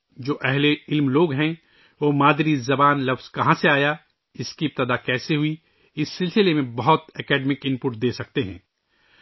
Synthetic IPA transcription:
d͡ʒoːʔɛɦleɪlmloːɡɦɛ̃ | ʋoːmaːd̪ɾizɐbaːnlɐfz̥kɐɦãseaːja | ɪskiɪp̚t̪əd̪akɛːseɦʊi | ɪsːɪlsɪlemẽbɐɦʊt̪ɛkɛːɖmɪkɪ̃npʊʈ̚d̪eːsɐk̚t̪eɦɛ̰̃ː

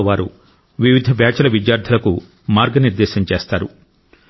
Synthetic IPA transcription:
ʋaːɾṵ | ʋiʋid̪ʱɐbjaːt͡ʃɐlɐʋid̪jaːɾd̪ʰʱɐlɐku | maːɾɡɐniɾd̪ɛːʃɐɲt͡ʃeːst̪aːɾu

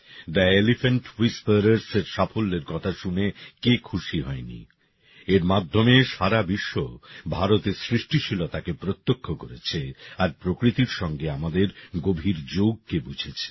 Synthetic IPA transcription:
ɖaelifeɳʈwispeɾeɾseɾʃafolːeɾkɔt̪ʰaʃunekekʰuʃiɦɔenḭ | eɾmad̪ʱːomeʃaɾabiʃːobʱaɾot̪esɾiʃʈiʃilot̪akepɾot̪ːokʰːokoɾet͡ɕʰeaɾpɾokɾit̪iɾʃɔŋɡeamad̪eɾɡobʱiɾd͡ʑoɡ̚kebud͡ʑʱet͡ɕʰe̥

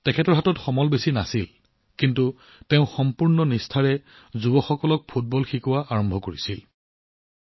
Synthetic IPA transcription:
tɛkʰɛtɔɹɦatɔtxɔmɔlbesinasil | kintu | teʊ̃xɔmpuɹnɔnistʰaɹɛ | zubɔxɔkɔlɔk̚pʰut̚bɔlxikuwaʔaɹɔmbʱɔkoɹisil

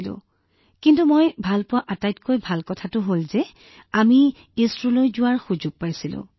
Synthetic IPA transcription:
lʊ̰̃ | kintumojbʱalpʊwaʔatajtkojbʱalkɔtʰatʊɦolzɛ | ami | estɹulojzʊwaɹxuzʊɡ̚pajsilʊ̰̃

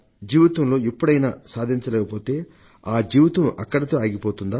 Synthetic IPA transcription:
d͡ʒiːʋɐt̪ɐmlo̞ːipːuɽɐjna̰ːsaːd̪ʱiɲt͡ʃɐlɛːkɐpo̞ːt̪e̞ː | aːd͡ʒiːʋɐt̪ɐmɐ̰kːɐɽɐt̪o̞ːaːɡipoːt̪und̪aː

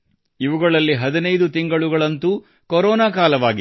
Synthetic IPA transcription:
iʋuɡɐɭɐlːiɦɐd̪inɐjd̪ut̪iŋɡɐɭuɡɐɭɐnt̪uː | kɔɾɔːnaːkaːlɐʋaːɡi

